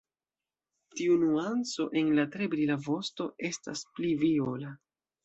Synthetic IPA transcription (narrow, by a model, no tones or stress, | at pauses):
tiunuant͡so̞ʔe̞nlatɾe̞bɾilavo̞sto̞e̞sta̰spliviola